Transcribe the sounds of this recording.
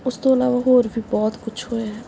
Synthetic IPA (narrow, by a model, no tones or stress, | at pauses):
ʊst̪oɐlaːʋaɦoːɾbʱibɔːt̪kʊt͡ʃʰɦoeɛː